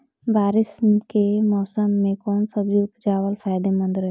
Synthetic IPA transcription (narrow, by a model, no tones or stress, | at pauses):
baːɾɪskemɔːsəmːẽkɔːnsəbd͡ʒipd͡ʒaːwəlfʰaːjd̪emə̃nd̪ɾɦɛ